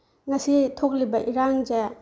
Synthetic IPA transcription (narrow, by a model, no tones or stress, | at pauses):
ŋɐsitʰok̚libɐʔiɾaŋd͡ʒɐ